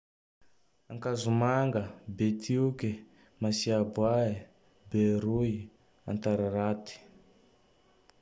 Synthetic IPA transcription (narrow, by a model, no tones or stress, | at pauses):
aŋkazumaŋɡəbet̪ʰiuke | masiabwae | beɾui | a̰nt̪aɾaɾat̪i̥